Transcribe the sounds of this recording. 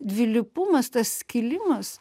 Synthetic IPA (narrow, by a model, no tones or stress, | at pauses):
d̪ʲʋʲɪlʲɪpʊmɐst̪ɐskʲɪlʲɪmɐs